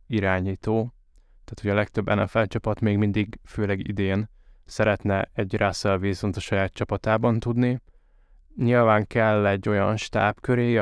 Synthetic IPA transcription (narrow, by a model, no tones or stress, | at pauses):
iɾaːɲiːt̪oː | t̪aːt̪hoɟɒlɛk̚t̪ø̞bːɛ̰nɛ̰fɛlt͡ʃɒpɒt̪meːɡmind̪iɡføːlɛɡḭd̪eːn | sɛɾɛt̪nɛɛɟrʔaːsɛlveːzont̪ɒʃɒjaːt̪t͡ʃɒpɒt̪aːbɒnt̪ud̪ni | ɲilvaːŋkɛlːɛɟːo̞jɒnʃt̪a̰ːpkøɾeː